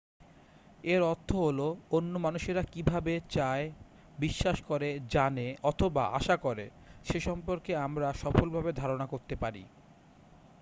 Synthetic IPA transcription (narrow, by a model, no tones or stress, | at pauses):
eɾɔɾt̪ʰːoɦoloonːomanuʃeɾakibʱabet͡ɕae | biʃːaʃkoɾed͡ʑaneɔt̪ʰoba̰ʔa̰ʃakoɾe | ʃeʃɔmpoɾkeamɾaʃɔfolbʱabed̪ʱaɾonakoɾt̪epaɾḭ